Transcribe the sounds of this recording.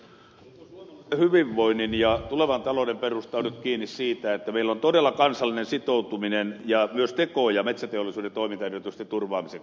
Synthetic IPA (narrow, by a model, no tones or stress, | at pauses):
hyʋiʋːoininjɑt̪uleʋɑnt̪ɑlodemperust̪ɑːnyt̪kiːnːissiːt̪æet̪ːæmeilːont̪odelːɑkɑnsɑlːinensit̪out̪uminenjɑmyøst̪ekojɑmet̪sæt̪eolːˑisuːdent̪oimint̪ɑerøt̪yst̪et̪t̪urʋɑːmise